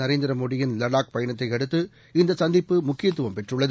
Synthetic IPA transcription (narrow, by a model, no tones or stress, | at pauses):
ɐɾeːnd̪ɪɾɐmoːɽɪjɪnlɐɽaːk̚pɐjɐɳɐt̪ːɐɪɐɽɯt̪ːɯ | ɪnd̪ɐsɐnd̪ɪpːɯmʊkːɪjɐt̪ːɯʋɐmpɛʈrɯɭːɐðɯ